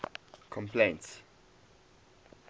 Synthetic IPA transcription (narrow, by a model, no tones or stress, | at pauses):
kʰɔ̃mplẽnts